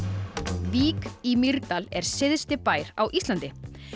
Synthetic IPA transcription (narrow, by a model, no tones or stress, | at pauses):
viːkimiɾt̪alɛɾ̥sɪðst̪ɪpaːjɾawʔist̪lant̪ɪ